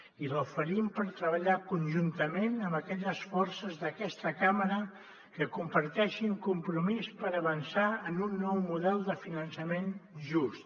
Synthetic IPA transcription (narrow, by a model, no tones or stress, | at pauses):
iləwfəɾimpəɾt̪ɾəβəʎakunʒunt̪əmenəmbəkɛʎəsfɔrsəzðəkɛst̪əkaməɾə | kəkumpəɾt̪ɛʃiŋkumpɾumispəɾəβənsaənunːɔwmuðɛlˠd̪əfinənsəmenʒust̪